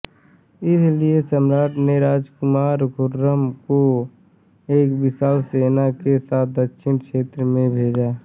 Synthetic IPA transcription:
ɪsliesəmɾaːd̪neɾaːd͡ʒkʊmaːɾɡʊɾːəmko | eːkbɪsaːlseːnakesaːt̪̚ʰd̪əkʃɪnʃeːt̪ɾəmẽbʱeːd͡ʒaː

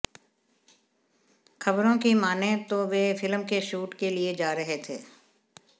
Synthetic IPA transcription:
xʰɐbɾõkimaːnẽt̪oʋefɪlmkeʃuːʈkelied͡ʒaːɾɐɦet̪ʰḛː

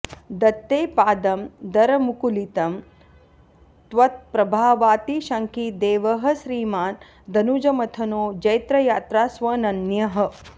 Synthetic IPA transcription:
d̪ɐt̪ːeːpaːd̪ɐmd̪ɐɾɐmukulit̪ɐm | t̪ʋɐt̪̚pɾɐbʱaːʋaːt̪iʃɐŋkid̪eːʋɐɦɐ̆ʃɾiːmaːn | d̪ɐnud͡ʒɐmɐt̪ʰɐnoːd͡ʒɐjt̪ɾɐjaːt̪ɾaːsʋɐnɐnjɐɦɐ̆

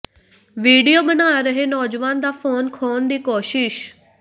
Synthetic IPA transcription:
ʋiːɖijoːbənaːɾəɦeːnɔːd͡ʒʋaːnd̪aːpʰoːnkʰɔːnd̪iːkoːʃɪʃ

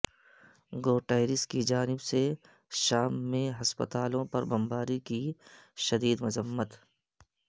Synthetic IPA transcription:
ɡoːʈaːɪɾɪskid͡ʒaːnɪbse | ʃaːmːẽɦɐspə̰t̪aːlõpɐɾbɐmbaːɾikiʃɐd̪iːd̪mʊzəmːət̪

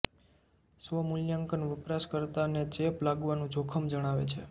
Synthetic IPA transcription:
sʋəmuljaŋkənʋəpɾaskəɾt̪aned͡ʒeplaɡʋanũd͡ʒokʰəmd͡ʒəɽ̃aʋḛt͡ʃʰḛ

